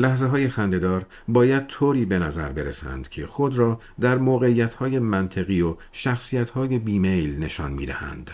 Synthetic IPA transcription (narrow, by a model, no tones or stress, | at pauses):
læhzeɦɒːje̞xænd̪e̞d̪ɒːɾ | bɒːjæd̪̥̚t̪ʰoːɾiːbe̞næzæɾbe̞ɾesæ̰nd̪̥cʰexo̞d̪ɾɒː | d̪æɾmoːɣe̞iːjæt̪ʰhɒːje̞mænt̪ʰeɣiːo | ʃæxsiːjæt̪ʰhɒːje̞biːmejlne̞ʃɒ̰ːnmiːd̪æ̰hæ̰nd̪̥